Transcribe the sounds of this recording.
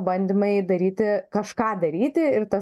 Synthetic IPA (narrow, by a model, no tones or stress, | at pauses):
bɐnʲd̪ʲɪmɐɪd̪ɐɾʲiːt̪ʲɪkɐʃkɑːd̪ɐɾʲiːt̪ʲɪɪrt̪ɐ